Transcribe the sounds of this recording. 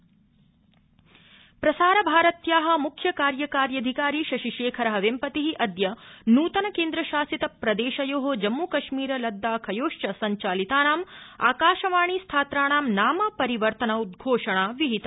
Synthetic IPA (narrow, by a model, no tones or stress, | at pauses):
pɾɐsaːɾɐbʱaːɾɐt̪jaːɦɐ̆mukʰjɐkaːɾjɐkaːɾjɐd̪ʱikaːɾiːʃɐʃiʃeːkʰɐɾɐɦɐʋempɐt̪iɦiʔɐd̪jɐnuːt̪ɐnɐkeːnd̪ɾɐʃaːsit̪ɐpɾɐd̪eːʃɐjoːɦod͡ʒɐmːukɐʃmiːɾɐlɐd̪ːaːkʰɐjoːʂt͡ʃɐsɐɲt͡ʃaːlit̪aːnaːma̰ːkaːʃɐʋaːɳ̃ist̪ʰaːt̪ɾaːɳaːmnaːmɐpɐɾiʋɐɾt̪ɐnɐud̪̚ɡʱoːʂɐɳaːʋiɦit̪ɐ